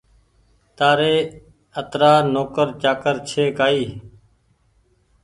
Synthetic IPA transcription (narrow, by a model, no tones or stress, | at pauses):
t̪aːɾeː | ət̪ɾaːnoːkəɾt͡ʃaːkəɾt͡ʃʰeːkaːiː